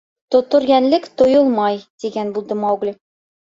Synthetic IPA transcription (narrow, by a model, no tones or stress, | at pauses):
t̪ŏt̪ŏɾɡænlɘkt̪ŏjɤlˠmɑjd̪̥iɡænbulˠd̪ɤmɑwɡlʲɘ